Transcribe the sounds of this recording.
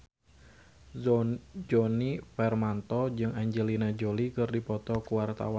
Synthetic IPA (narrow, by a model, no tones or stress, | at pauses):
d͡ʒɔnifɛrmant̪ɔd͡ʒɨŋaɲd͡ʒəlinad͡ʒolikɨrdipɔt̪ɔkuwart̪a̰wan